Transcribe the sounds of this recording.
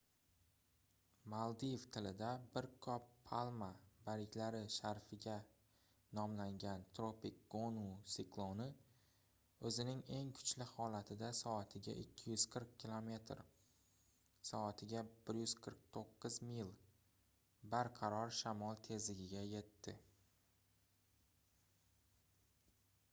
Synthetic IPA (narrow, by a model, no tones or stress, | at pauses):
malˠd̪ijevt̪ʰɪlɪd̪abɪɾkʰɒpʰːalˠmabaɾɪkʲlaɾɪʃaɾfɪɡʲa | nɒmlaŋɡʲant̪ʰɾopik̚ɡ̥onusiklˠonɪ | ɵzɪnɪŋe̞ŋkʰʊ̥t͡ʃlɪhɒlat̪ʰɪd̪asɒat̪ʰɪɡʲa̰ʔɪkʲʰːɪjʊz̥qʰɨɾq̚kʲʰːilˠo̞me̞t̪ɾ | sɒat̪ʰɪɡʲab̥ɪɾjʊz̥qʰɨɾq̚t̪ʰoqːɨzmilˠ | baɾqʰɑɾɒɾʃamɒlˠt̪ʰe̞zlɪɡʲɪɡʲaje̞t̪ːɪ